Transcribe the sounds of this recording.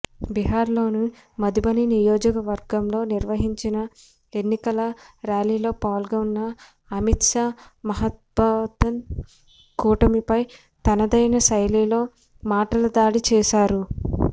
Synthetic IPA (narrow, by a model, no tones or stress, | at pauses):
biɦaːɾlo̞ːnu | mɐd̪ibɐninijoːd͡ʒɐkɐʋɐɾɡɐmlo̞ːniɾʋɐɦiɲt͡ʃinɐ | enːikɐlɐɾaːliːlo̞ːpaːlɡɐunːɐ | ɐmit̪ʂaːmɐɦɐt̪̚bɐt̪ːɐn | kuːʈɐmipɐj | t̪ɐnɐd̪ɐjnɐsɐjliːlo̞ː | maːʈɐlɐd̪aːɽit͡ʃɛːʃaːɾu